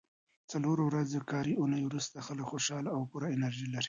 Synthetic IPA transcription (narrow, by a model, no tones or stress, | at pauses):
t͡saloɾowɾazekɑɾiʔʊnəjwɾust̪axələkxoʃɑlaawpuɾaɪnaɾʒilaɾi̥